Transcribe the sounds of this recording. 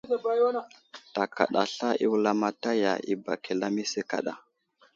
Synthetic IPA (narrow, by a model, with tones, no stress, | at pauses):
za˨ba˨˦jwa˦na˨ta˨ka̰˨ɗa˨ɬa˦i˦wla˦ma˦ta˦ja̰˨i˦ba˨ke˨la˦mi˦se˦ka̰˨ɗa̰˨